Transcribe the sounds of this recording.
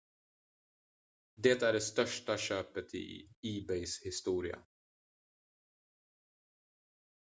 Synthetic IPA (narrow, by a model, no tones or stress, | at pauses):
d̪ɛt̪æɖɛst̪œʂʈaɕøːpət̪ʰɪ̰iːbɛjshɪst̪uːɾɪa̰